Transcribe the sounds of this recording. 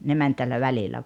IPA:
ne mæn tælːæ ʋælilæ

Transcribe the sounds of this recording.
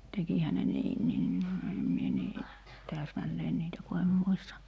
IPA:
tekihæ ne niːnːiːn em mie niː tæːsmælːeːn niːtæ ku em muistɑ

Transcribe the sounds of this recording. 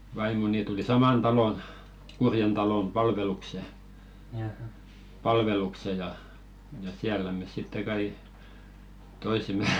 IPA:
ʋɑimoni tuli sɑmɑn tɑlon kurjen tɑlom pɑlʋelukse pɑlʋelukse jɑ jɑ siælːæ mes sitːe kɑi toisemˑe

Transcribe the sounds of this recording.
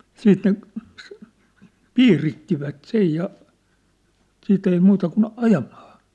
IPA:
siːt ne s piːritːiʋæt sej jɑ siːt ei muːtɑ kun ɑjɑmɑ̥ː

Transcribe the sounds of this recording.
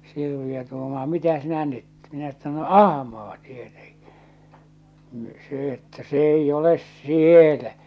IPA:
sirʋiø tuːmɑː mitæ sinæ nyt minæ etːæ no ɑhmɑː tieteŋki̥ ni se etːæ se eij oles sielæ

